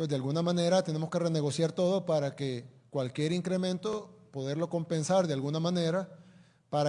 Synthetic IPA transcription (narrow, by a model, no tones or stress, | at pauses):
zd̪ealɣunamãne̞ɾat̪e̞ne̞mo̞ske̞re̞ne̞ɣo̞sjaɾt̪o̞ðopaɾake | kwalkje̞ɾiŋkɾe̞mẽ̞nt̪o̞po̞ðe̞ɾlo̞ko̞mpe̞nsaɾdðealɣunamãne̞ɾa | paɾa